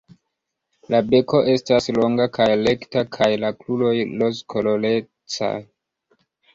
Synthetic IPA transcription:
labe̞ko̞ʔe̞staslo̞ŋɡakʰajle̞ktakʰajlaklulo̞jlo̞skʰolo̞le̞ | t͡sa̰j

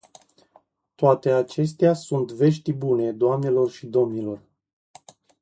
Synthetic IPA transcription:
t̪oat̪e̞at͡ʃe̞s̬t̪easunt̪ve̞ʃt̪ibune̞d̪oamne̞lo̞rʃid̪o̞mnilo̞r

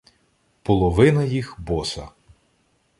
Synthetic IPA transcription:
pɔlˠɔʋɪnɐjixbɔsɐ̰

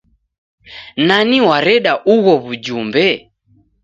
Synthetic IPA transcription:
naniwaɾɛɗaʔuɣɔβud͡ʒumbɛ

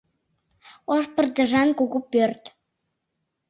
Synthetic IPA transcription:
oʃpə̆rd̪əʒɑnkuɣupørt̪

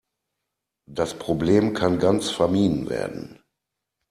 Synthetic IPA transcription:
d̥aspʁ̥obleːmkʰanɡant͡sfɛɐmiːdn̩vḛːɐdn̩

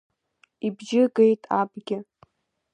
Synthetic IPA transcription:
ibʒɪɡejtʼa̰bɡʲɪ

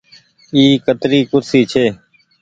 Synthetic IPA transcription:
iːkət̪ɾiːkʊɾsiːt͡ʃʰeː

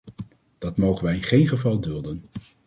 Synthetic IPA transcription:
d̥ɑtmowχənʋɛjɪnχejnχəvɑlˠdɵlˠdən

